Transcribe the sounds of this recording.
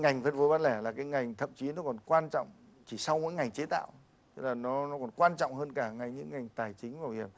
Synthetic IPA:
ŋa˨˩jŋ̟fəː˧˦t̚vo˨˦jvaː˧nlɛ˧˩laː˨˩kaː˨˦jŋa˨˩jŋ̟t̪ʰə̰˧˨mt͡ɕi˨˦nɔ˨˦kɔ˨˩nkwaː˧nt͡ɕɔ̰˧˨wŋ͡m | t͡ɕʰi˧˩sa˧wmo̰˧˥jŋa˨˩jŋ̟t͡ɕe˨˦t̪a̰ː˧˨w | t̪ə˦˧˥laː˨˩nɔ˨˦nɔ˨˦kɔ˨˩nkwaː˧nt͡ɕɔ̰˧˨wŋ͡mhəː˧nkaː˧˩ŋa˧˩jɲɨ̰˧˥ŋːa˨˩jŋ̟t̪aː˨˩jt͡ɕï˨˦ŋ̟vaː˨˩vi˨˩ək̚

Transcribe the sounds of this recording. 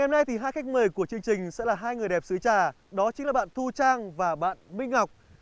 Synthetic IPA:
ɛ˧˩mna˧jt̪ʰi˨˩ɦaː˧jxa˦˥jk̚məː˨˩jku˧˩ət͡ɕɨ˧əŋt͡ɕï˨˩ŋ̟sɛ̰˧˥laː˨˩ɦaː˧jŋɨ˨˩əjɗɛ˨˩p̚sɨ˨˦jt͡ɕaː˨˩ | ɗɔ˨˦t͡ɕï˨˦ŋlaː˨˩ɓa̰ː˧˨nt̪ʰu˧t͡ɕaː˧ŋvaː˨˩ɓa̰ː˧˨nmï˧ŋ̟ŋa˨˩wk͡p̚

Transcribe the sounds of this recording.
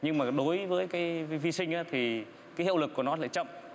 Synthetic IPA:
ɲɨ˧ŋmaː˨˩ɗo˨˦jvəː˨˦jkaː˨˦jvi˧vi˧sï˧ŋ̟ʔaː˨˦t̪ʰi˨˩ | kaː˨˦jhḭ˧˨wlɨ˨˩kːənɔ˨˦la̰ː˧˨jt͡ɕə̰˧˨mʔ

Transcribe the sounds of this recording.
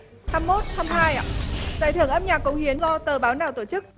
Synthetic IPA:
t̪ʰaː˧mːo˦˥t̚t̪ʰaː˧mhaː˧jza̰ː˧˨jt̪ʰɨ˨˩əŋʔə˧m̚ɲaː˨˩kːʊ̰˨˧˥ŋ͡mhi˨˦ənzɔ˧t̪əː˨˩ɓaː˨˦wnaː˨˩wt̪o˧˩t͡ɕɨ˦˥k̚

